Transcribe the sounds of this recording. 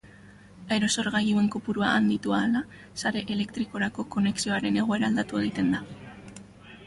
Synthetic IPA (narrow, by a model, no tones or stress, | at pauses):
aeɾo̞so̞ɾɣajue̞ŋkopuɾuaʔand̪it̪uaːla | saɾe̞ʔele̞kt̪ɾiko̞ɾako̞ko̞ne̞ksio̞aɾe̞ne̞ɣ̞o̞e̞ɾaːld̪at̪ueðit̪e̞nd̪a